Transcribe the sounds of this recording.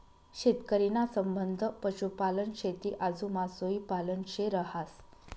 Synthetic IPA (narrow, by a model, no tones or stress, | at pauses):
ɕet̪kəɾinasəmbənd̪ʱəpəɕupalənɕet̪iːʔad͡zumasoipalənɕeɾəɦas